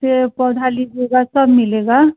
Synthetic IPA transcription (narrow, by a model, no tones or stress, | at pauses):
epəd̪ʱalid͡ʒeɡasəbmɪleɡa